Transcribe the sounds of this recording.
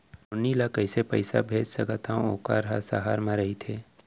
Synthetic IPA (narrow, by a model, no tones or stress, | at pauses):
ʊnilakəɪsepəɪsa̰bʱeːd͡ʒsɐkət̪aõoka̰ɾɦasa̰ɦaːɾmãɾɐɦit̪ʰeː